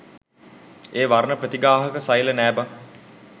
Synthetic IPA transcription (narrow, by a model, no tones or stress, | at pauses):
eːʋaɾnəprɾət̪iɡaːɦəkəsajlənæːba